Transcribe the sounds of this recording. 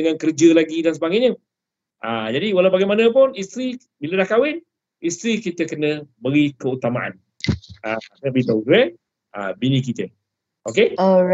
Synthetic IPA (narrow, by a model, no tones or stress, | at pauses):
əŋankəɾd͡ʒəlaɡidans̬əbaɡajɲə | ʔad͡ʒadiwalawbaɡajmanə̃p̬ʊnist̪ɾi | bilədahkawɪn | ist̪ɾikit̪əkənə̃bəɾikəut̪amaʔa̰n | aanəbəipouɡɾɛn | ʔa̰binik̬it̪ə | ʔoke